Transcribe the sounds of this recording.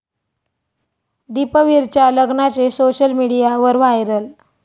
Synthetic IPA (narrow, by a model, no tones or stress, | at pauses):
d̪ipəʋiɾt͡ɕjaləɡnat͡sesoɕəlmiɽijaʋəɾʋajɾəl